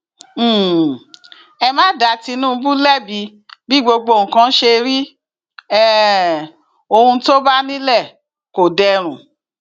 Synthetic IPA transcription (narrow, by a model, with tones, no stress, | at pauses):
ɛ˧mãː˦da˧˦ti˧nũ˦˧˦bu˦lɛ˦˨bi˧ | bi˦ɡ͡bo˧ɡ͡bo˧˨ŋ̩̃˨kã˧n̩˦ʃe˧ɾi˦ | ɛ˦˨ | o˧hũ˧˦to˦ba˦nĩ˦lɛ˦˨ | ko˨dɛ˧ɾ̃ũ˨